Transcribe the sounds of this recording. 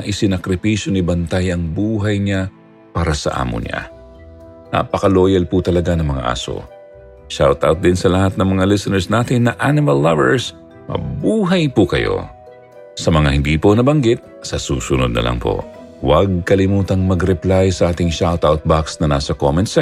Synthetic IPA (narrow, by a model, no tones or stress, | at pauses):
ɐʔɪsɪnɐkɾɪpiʃjonɪbɐnt̪ajɐŋbuːɦɐjɲa | paːɾɐsɐ̰ʔa̰ːmo̰ɲa̰ | na̰pɐkɐloːjɐlput̪ɐlɐɡanɐŋmɐŋa̰ʔa̰ːso̰ | ʃawt̪a̰wt̪̚d̪ɪnsɐlɐhat̪̚nɐŋmɐŋalɪsɛnɛɹsnaːt̪ɪnːɐʔanɪmɐlːɐvɛ̰ɹs | mɐ̰buːɦɐjpʊkɐ̰jo̞̰ | sɐmɐŋahɪnd̪iːpo̞nɐbɐŋɡɪt̪̚sɐsuːsʊnod̪̚nɐ̰lɐ̰ŋpo̰wɐɡ̚kɐlɪmuːt̪ɐŋmɐɡɾɛplajsɐʔaːt̪ɪŋʃawt̪awt̪̚baksnɐnaːsɐkomɛnt̪sɐ